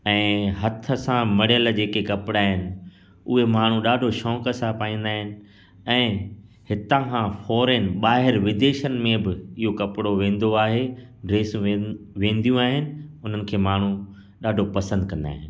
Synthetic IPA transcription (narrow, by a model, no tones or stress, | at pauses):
ɛ̃ːɦɐt̪ʰə̆sãmɐɽijəld͡ʑeːkekɐpɪɽaːɦɪnɪ̆ | ʊɦemaːɳ̤ũɗaːɖʱoʃɔ̃ːkəsãpaːĩːn̆d̪aːɦɪnɪ̆ | ɛ̃ː | hɪt̪ãkʰãfɔːɾeːnɓaːɦɪɾʋɪd̪eːʃənɪ̆mẽbɪɪɦokɐpɽoʋẽːn̆d̪oaːɦe | ɖɾeːsũʋẽːnd̪ijũaːɦɪnɪ̆ʊn̤ənɪ̆kʰeːmaːɳ̤u | ɗaːɖʱopɐsə̃nd̪̚kɐ̃nd̪a̰ːɦɪn